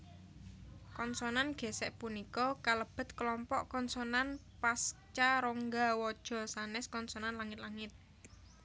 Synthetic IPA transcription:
kɔnsɔnanɡ̥e̤sɛʔpunikɔkaləb̥ə̤t̪̚kəlɔmpɔʔkɔnsɔnan | past͡ʃaɾɔŋɡawɔd̥ʒ̥ɔ̤sanɛskɔnsɔnanlaŋɪt̪laŋɪt̪̚

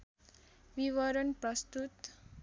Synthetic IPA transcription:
biwʌɾʌnprʌst̪ut̪

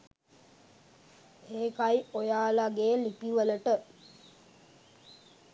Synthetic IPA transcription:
eːkajojaːlaɡeːlipiʋələʈə

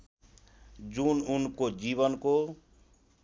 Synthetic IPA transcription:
d͡ʒununkod͡ʒiβʌnko

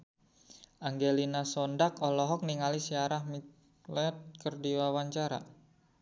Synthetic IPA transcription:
ʔaŋɡelinasɔndakɔlɔɦɔk̚niŋalisiaɾahmi | lɛt̪̚kərdiwawaɲt͡ʃaɾa̰

